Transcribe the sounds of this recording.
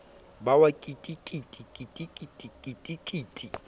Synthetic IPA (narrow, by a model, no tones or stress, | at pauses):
bawakʼitʼikʼitʼikʼitʼikʼitʼikʼitʼikʼiːtʼi